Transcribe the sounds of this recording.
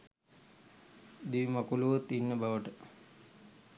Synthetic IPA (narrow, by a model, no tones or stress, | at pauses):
d̪iʋimakuluʋot̪ːinːəbaʋəʈə